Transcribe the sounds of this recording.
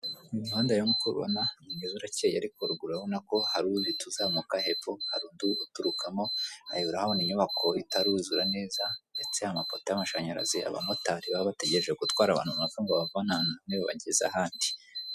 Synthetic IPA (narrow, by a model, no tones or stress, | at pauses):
imuhaːndajomukuɾṵβa̰naɲimizuɾacejaɾikoɾuɡuɾawonako̞haɾudituzaːmukahepohaɾuːnduːtuɾukʰamo̞ha̰jiuɾahaoniɲuβakʰo̞itaɾuzuɾane̞ːzande̞t͡se̞hamapotejamaʃaɲaɾa̰zia̰βa̰motaɾiβaβate̞ɟe̞ɾeʒeɡutwaːɾaβa̰ːnhuβnafuŋɡoβavanananiβoβa̰ɟeza̰ɦaːndi